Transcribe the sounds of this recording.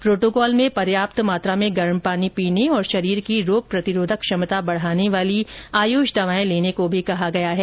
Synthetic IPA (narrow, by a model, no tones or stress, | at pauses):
pɾoːʈoːkɔːlmẽpɐɾjaːp̚t̪maːt̪ɾamẽɡɐɾmpaːnipiːneɔːɾʃɐɾiːɾkiɾoːɡ̚pɾɐt̪ɪɾoːd̪ʱəkʃɐmət̪abɐɽ̤aːneʋaːliaːjuːʃd̪ɐʋaːẽleːnekobʱikɐɦaɡɐjaɦɛː